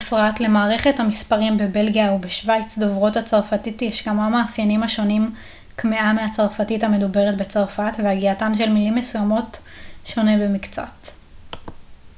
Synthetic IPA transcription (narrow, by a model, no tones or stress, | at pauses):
fʁatle̞maːʁe̞χe̞thamispaʁimbe̞be̞lɡijaubeʃvajt͡sdovʁo̞that͡saʁfatitjeʃɡamamaːfjanimhaʃo̞nim | kmeameat͡saʁfatitame̞dube̞ʁetbet͡saʁfatveaɡiatanʃe̞lmilimːesujamo̞tʃo̞nebe̞mikt͡sa̰t